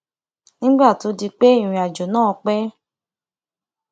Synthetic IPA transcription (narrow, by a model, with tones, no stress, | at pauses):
nĩ˦ɡ͡ba˦˨to˨˧di˧k͡pe˦ĩ˨ĩ˨a˨d͡ʒo˨nãː˦˨ɔ˧k͡pɛ˦